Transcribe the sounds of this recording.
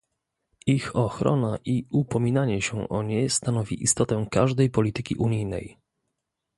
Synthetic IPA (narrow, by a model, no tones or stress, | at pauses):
ixɔxɾɔ̰naʔiupɔmʲinaɲɛɕɛ̃ʔɔɲɛst̪anɔvʲḭʔist̪ɔt̪ɛ̃kaʐd̪ɛjpɔlʲit̪ɘkʲḭʔuɲijnɛ̰j